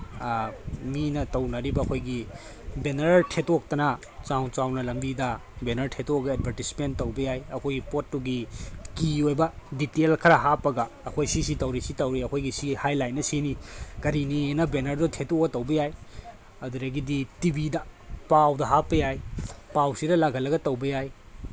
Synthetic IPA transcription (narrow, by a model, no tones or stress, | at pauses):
minɐtɐwnɐɾibɐːkʰojɡi | benɐɾtʰetok̚tɐnɐ | t͡ʃawt͡ʃawnɐlɐmbidɐ | benɐɾtʰetoɡɐed̚bʱɐɾtispenttːɐwbɐjajɐkʰojɡipotːuɡikiojbɐditelkʰɐɾɐɦapːɐɡɐːkʰojsisitɐwɾisitɐwɾiɐkʰojɡisihajlajnːɐsinikɐɾinienɐbenɐɾdotʰetoɡɐtɐwbɐjaj | ɐduɾɐɡiditibidɐpawdɐɦapːɐjajpawsiɾɐlaɡʱɐlːɐɡɐtɐwbɐjaj